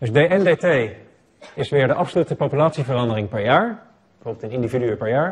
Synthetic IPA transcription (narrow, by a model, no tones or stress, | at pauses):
d̥ɵzdejɛndetej | ɪsʋɪːɹdəʔɑpsolytəpowpylaːtsivərɑndərɪŋpɛɹjaːɹ | bəvoːbɪl̩ˠtənɪndividyəpɛɹjaːɹ